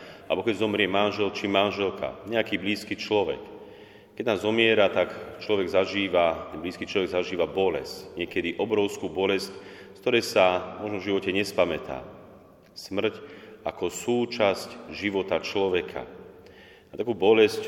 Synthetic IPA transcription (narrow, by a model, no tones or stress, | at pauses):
bɔkɛɟzɔmɾɪɛmanʒɛlt͡ʃimanʒɛlkʰa̰ɲɛakiːbliːskiːt͡ʃlɔʋɛ̰k | kɛɟnaːzɔmɪɛɾat̪akt͡ʃlɔʋɛɡzaʒiːʋat̪ɛbliːskiːt͡ʃlɔʋɛɡzaʒiːʋabɔlɛ̰scɲɪɛkɛd̪iʔɔbɾɔʊskuːbɔlɛsc | kt̪ɔɾɛːsamɔʒnɔvʒiʋɔcɛɲɛspamɛt̪a̰ː | smr̩cakɔsuːt͡ʃascʒiʋɔt̪at͡ʃlɔʋɛkʰa̰ | at̪akuːbɔlɛsc